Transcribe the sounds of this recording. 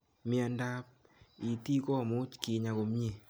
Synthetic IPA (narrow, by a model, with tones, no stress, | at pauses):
mja˨nda˦p̚ | i˨ti˦kɔ˦˨mo˦t͡ʃkɪ˨ɲa˨ko˨mɲe˦˨